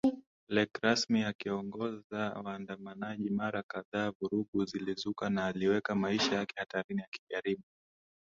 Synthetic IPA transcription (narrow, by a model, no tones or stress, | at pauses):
lɛkɾasmiakiɔŋɡɔzawaːndamanaʄimaɾakaðaːvuɾuɠuzilizukanaːliwɛkamaiʃajakɛ̥hataɾinijaki̥ɠaɾiɓu